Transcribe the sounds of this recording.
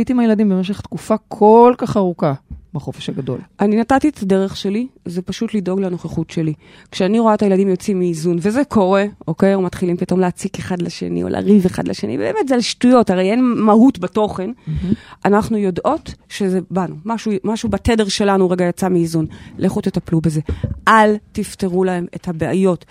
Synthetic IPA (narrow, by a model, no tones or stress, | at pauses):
aitimajeladimbemeʃ̬eχt̪kufakʰolkaχaʁukabeχofeʃhaɡado̞̰lʔaninatatiet̪ʰade̞ʁeχʃe̞lizepaʃutlido̞ɡlano̞χeχutʃe̞li | kʃeaniʁo̞aet̪ajeladimjot͡simiːzunve̞zekʰo̞ʁe̞o̞kejumat̪χilimpito̞mleːt͡sikeχadlaʃe̞̰nḭo̰lʔa̰ʁiveχa̰dlḛʃe̞nḭvbeːme̞tzealʃtujo̞taʁejenmaɦutbato̞χe̞nʔanaχnujo̞dʔo̞tʃezebanumaʃumaʃubatedeʁʃe̞lanuʁeɡajat͡samiːzunlʔeχut̪etaplube̞ze̞ʔaltifteʁulae̞me̞thabea̰jo̞t